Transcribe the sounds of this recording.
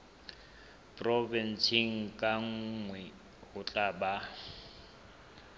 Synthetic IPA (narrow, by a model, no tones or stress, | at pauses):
pʼrɔvɛnsiŋ̩kʼaŋ̩ŋwɛ | hʊt͡ɬʼaba